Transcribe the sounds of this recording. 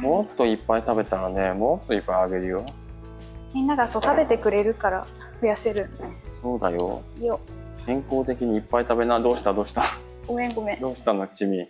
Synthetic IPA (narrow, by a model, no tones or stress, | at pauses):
mo̞t̪ːo̞ipːait̪abe̞t̪aɾane̞mo̞t̪ːo̞ipːaiaɡe̞ɾɯ̟jo | mʲĩnːaɡasot̪abe̞t̪e̞kɯ̟ɾe̞ɾɯ̟kaɾa̰ | ɸɯ̟jase̞ɾɯ̟̃nso̞ːd̪a̰jo̰ | ijo | hẽ̞ŋko̞ːt̪e̞kʲiɲ̟iːpːait̪abe̞nad̪o̞ːɕi̥t̪ad̪o̞ːɕi̥t̪a | oẽ̞ŋɡomẽd̪o̞ːɕi̥t̪anokt͡ɕimʲi